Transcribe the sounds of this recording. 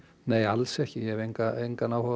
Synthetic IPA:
nejalsɛhcɪjɛvejŋkaejŋkanawhɔ

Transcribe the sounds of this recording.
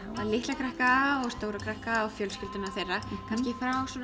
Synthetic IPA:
aðlɪht̪lakʰɾɛhkaɔɣst̪oːwɾakʰɾɛhkaɔɣfjœlscʏlt̪ʏnaθejrːakʰanscɪfɾawsɔ

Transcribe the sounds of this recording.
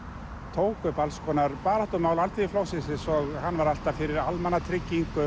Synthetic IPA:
t̪ʰoːwkʏpalskʰɔːnaɾpaːɾaht̪ʏmaːwlalt̪iɪflowsɪsɪsɔɣhanːvaɾal̥t̪afɪɾɪɾalmɛnːat̪ʰɾɪcːiŋkʏ

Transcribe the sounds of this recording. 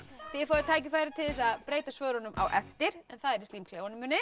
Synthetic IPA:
θɪɾfɔːðʏt̪ʰaːjcɪfajɾɪt̪ʰɪlɛs̬aðpɾeːjt̪asvœːɾɔnʏmʔa̰wʔɛft̪ɪɾɛnθaðɛɾɪst̪iːmkʰleːwanʏmːʏnːɪ

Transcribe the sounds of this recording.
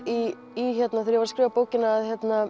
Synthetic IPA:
iː | çɛt̪naθɛɾjɛvaɾ̥skɾɪːvapoːwcɪnaːðçjɛt̪na

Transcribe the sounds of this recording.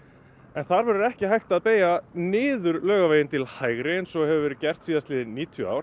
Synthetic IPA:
ɛnθaɾvɛɾʏɾɛhcɪɦajht̪aðpeːjanɪːðʏɾlœːɣaveːjɪnt̪ʰɪlhaːjɣɾensɔhɛvʏvɛːɾʏɾcɛr̥t̪siːðast̪lɪːðɪnːiːt̪ʰjʏa̰wɾ

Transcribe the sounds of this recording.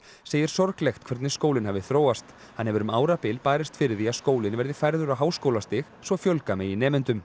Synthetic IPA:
seːjɪɾ̥sɔɾklɛxt̪kʰvɛɾt̪nɪskowlɪnɦɛvɪθɾoːwast̪ | hanhɛvʏɾʏmaːwɾapɪlpaːɾɪst̪fɪɾɪθiaskoːwlɪnvɛɾðɪfajɾðʏɾaɦaːwskowlast̪ɪxsvɔfjœlkamɛinɛːmɪnt̪ʏm

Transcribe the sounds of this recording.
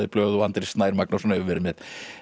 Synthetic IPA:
ðɪplœːðɔant̪ɾist̪naːjɾmak̚nasɔnœʏvɛɾɪmɛð

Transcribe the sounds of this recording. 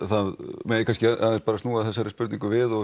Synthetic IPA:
θaðmɛkʰanscɪaaðɛspaːɾast̪uːaθɛsːaɾɪspʏɾt̪niŋkʏvɪðɔ

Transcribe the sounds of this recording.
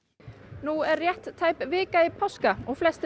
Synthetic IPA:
nuɛɾːjɛht̪ːʰaːjpvɪːkaɪpʰɔskaɔɣflɛst̪

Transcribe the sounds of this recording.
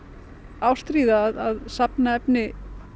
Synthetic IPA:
awst̪ɾiːðaːðaðsapnaɛpnɪ

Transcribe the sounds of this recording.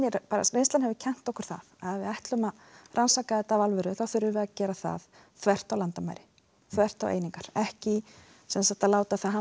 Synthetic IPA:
ɛɾpaːɾa̰sɾejnst̪anhɛvɪcʰɛn̥t̪ɔhkʏ̥ɾ̥θa̰ðaðvɪðajht̪lʏma | rʔansakaðɛt̪avalvʏɾʏθawθʏɾðʏɾvɪðacɛːɾaθa̰ð | θvɛr̥t̪awlant̪amaːjɾɪ | θvɛr̥t̪awʔḛjniŋkaɾ̥ɛhcɪ | sɛnsat̪alaːwt̪aθaɦa

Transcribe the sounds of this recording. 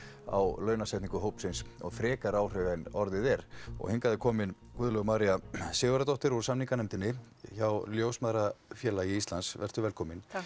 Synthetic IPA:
a̰wlœːɥnasɛjht̪niŋkʏɦowpsɪnsɔ̰ɣfɾɛːkaɾawr̥œɣɛnɔɾðɪðɛɾɔ̰ɣhɪŋkaðɪkʰɔːmɪn | kʏːðlœɣmaːɾiasɪːɣʏɾat̪ɔht̪ɪɾuɾ̥samniŋkanɛmt̪ɪnːɪ | çawljoːwsmaðɾafjɛːlaiist̪lansvɛ̰r̥t̪ʏvɛlkʰɔːmɪn

